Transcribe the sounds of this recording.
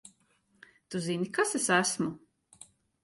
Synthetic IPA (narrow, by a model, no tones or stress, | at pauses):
t̪uzinikasesæsmu